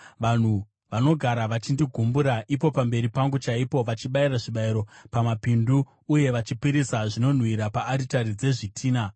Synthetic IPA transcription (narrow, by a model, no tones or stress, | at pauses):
ʋan̤u | ʋano̞ɡʱaɾaʋat͡ʃindiɡʱumbuɾaʔipo̞pambe̞ɾipaŋɡut͡ʃaipo̞ʋat͡ʃiɓaiɾaʐiɓaiɾo̞pamapinduː | je̞ʋat͡ʃipiɾisaʐino̞n̤wiɾapaːɾitaɾid͡ze̞ʐitʰiːna